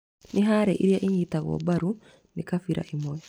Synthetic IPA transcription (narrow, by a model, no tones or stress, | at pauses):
nʔiɦaɾɛʔiɾijaʔiɲitaɣɔ̰baɾu | nikafiɾʔa̰ʔimɔjɔ